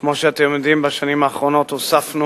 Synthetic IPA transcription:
kmo̞ʃeat̪emd̪imbaʃanimaːχʁo̞no̞t̪osafnu

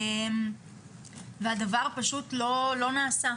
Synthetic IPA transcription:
em | veadavaʁpaʃutlo̞lo̞naːsa

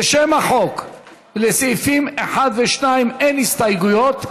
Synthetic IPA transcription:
ʃemaħo̞k | lesifimeħad̪veʃnaimenist̪ajɡujo̞t̪

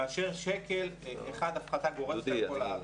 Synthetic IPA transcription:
aːʃeʁʃekeleχad̪afχat̪aɡo̞ʁekola

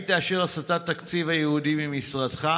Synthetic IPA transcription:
t̪aːʃiʁasat̪at̪ːakt͡sivajehudibimisʁadχa

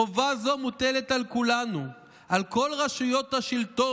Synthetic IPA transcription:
ovazo̞mutele̞t̪alkulanu | ʔalko̞lʁaʃujo̞thaʃilt̪o

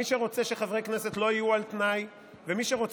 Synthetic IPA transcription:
iʃeʁo̞t͡se̞ʃeχavʁeknese̞t̪lo̞ijualt̪naj | vemiʃeʁo̞t͡s

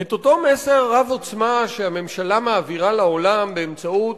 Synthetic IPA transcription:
et̪o̞to̞mese̞ʁːavo̞t͡smaʃeame̞mʃalamaːviʁalao̞lambeːmt͡saut̪

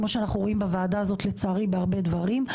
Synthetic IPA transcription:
mo̞ʃeanaχnuʁoimbavaːdaazo̞tlet͡saːʁibeaʁbe̞dvaʁim

